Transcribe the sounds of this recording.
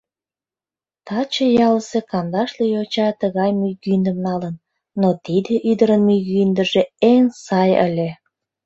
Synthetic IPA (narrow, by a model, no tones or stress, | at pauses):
t̪ɑt͡ɕəjɑləsekɑnd̪ɑʃlijot͡ɕɑt̪əɣɑjmyɣynd̪əmnɑlənː | ot̪id̪eʔyd̪əɾənmyɣynd̪əʒeensɑjə̰lʲe